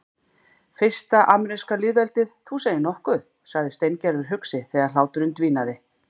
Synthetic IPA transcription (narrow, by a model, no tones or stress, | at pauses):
fɪ̥st̪aʔaːmɛɾiskalɪːðvɛlt̪ɪðθuseːjɪnɔhkʏð | saɣðɪst̪ejncɛɾvɪɾ̥ɦʏksɪθɛɣaɾ̥laːwt̪ʏɾɪnt̪viːnaðɪ